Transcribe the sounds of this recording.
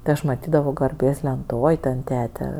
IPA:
tʲɪ ˈɐʃ ˈmɑːtʲiːdɐʋoː ɡɐrʲˈbʲeːs lʲɛnˈtoːj ˈtʲɛn ˈtʲæːtʲɛ

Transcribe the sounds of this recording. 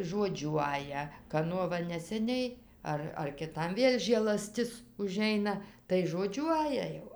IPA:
ʒoːˈd͡ʒʲuɔjɛ kɐˈnuɔ ˈʋɐ nʲɛsʲɛˈnʲɛɪ ˈɐr ɐr kʲɪˈtɐm ˈʋʲeːlʲ ʒʲeːlˠɐˈsʲtʲɪs ʊˈʒʲɛɪnɐ tɐɪ ʒoːˈd͡ʒʲuɔjɛ jɛʊ

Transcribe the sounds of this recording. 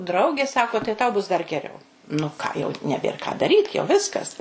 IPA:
ˈdrɐʊɡʲeː ˈsɑːkoː tɐɪ tɐʊ bʊs dɐr ɡʲɛˈrʲɛʊ nʊ ˈkɑː jɛʊ nʲɛˈbʲeːr kɑː dɐˈrʲiːt jɛʊ ˈʋʲɪskɐs

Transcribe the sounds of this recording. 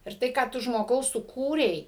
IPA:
ɪr ˈtɐɪ kɑː ˈtʊ ʒmoːˈɡɐʊ sʊˈkuːrʲɛɪ

